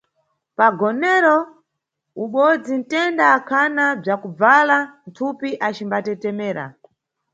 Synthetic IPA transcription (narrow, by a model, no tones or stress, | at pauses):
paɡɔnɛɾɔ | uɓɔd͡zin̩tɛndaːkʰanab͡ʐakub͡valan̩tʰupiʔat͡ʃimbatɛtɛmɛːɾa̰